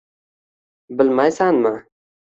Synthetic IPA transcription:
bɪlmajsanmɪ

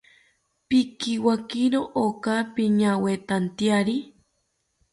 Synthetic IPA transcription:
pikiwakiɾoʔokapiɲawet̪ant̪jaɾi

